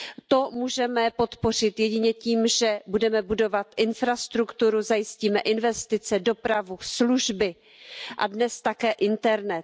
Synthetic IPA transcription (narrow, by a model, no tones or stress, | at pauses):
t̪o̞muːʒɛmɛpo̞t̪po̞r̝ɪt̪jɛɟɪɲɛciːmʒɛbudɛmɛbudo̞vat̪ʔɪnfɾast̪ɾukt̪uɾuzajɪsciːmɛʔɪnvɛst̪ɪt͡sɛdo̞pɾavusluʒbɪ | ʔa̰dnɛst̪akɛːʔɪnt̪ɛɾnɛt̪̚